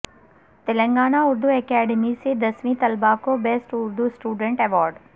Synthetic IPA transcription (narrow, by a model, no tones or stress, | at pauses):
t̪ɪlə̃ŋɡaːnaʊɾd̪uɛkɛːɖemised̪ɐsʋĩt̪ɐlbakobɛsʈʊɾd̪usʈuːɖə̃ɳʈɛʋɔːɾɖ